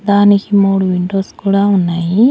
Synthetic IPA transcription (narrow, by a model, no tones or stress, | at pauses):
d̪aːnikimoːɽuʋiɳɖo̞ːskuːɽaːunːaːji